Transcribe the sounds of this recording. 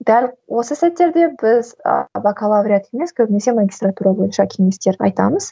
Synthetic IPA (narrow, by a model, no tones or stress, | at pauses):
d̪ælʲwʔo̞səsæt̪ːe̞ɾd̪e̞bɪz̰vakʰalˠavɾʲijat̪e̞me̞skʲʰɵbɪne̞se̞maɡʲist̪rat̪uɾɑbo̞jənʃɑkʲʰe̞ŋe̞st̪e̞ɾɑ̰jt̪ɑ̰məz̥